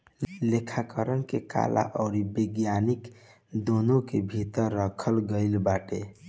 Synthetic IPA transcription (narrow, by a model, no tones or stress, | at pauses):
lekʰakəɾənkeka̰lʔa̰ʔɔʊɾibiɡjanik | d̪onõkebʱit̪əɾːəkʰəlɡəɪlbaʈe